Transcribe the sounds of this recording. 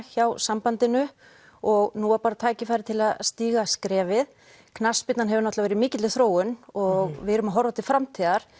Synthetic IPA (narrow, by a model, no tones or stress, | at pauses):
çawsampant̪ɪnʏ | ɔɣnuːapaːɾat̪ʰaːjcɪfajɾɪt̪ʰɪlaðst̪iːɣaskɾɛːvɪð | kʰnaspɪt̪nanɦɛvʏnɔht̪lavɛːɾɪmɪːcɪt̪lɪθɾoːwʏnɔɣvɪɾʏmaɦɔɾvat̪ʰɪ̥fɾamt̪ʰiːðaɾ̥